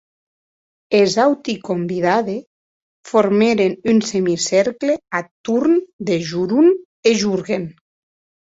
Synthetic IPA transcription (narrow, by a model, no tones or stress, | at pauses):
ezawt̪ikombiðaðe | foɾmeɾenynsemisɛɾkleat̪uɾnd̪eʒuɾun | eʒuɾɣen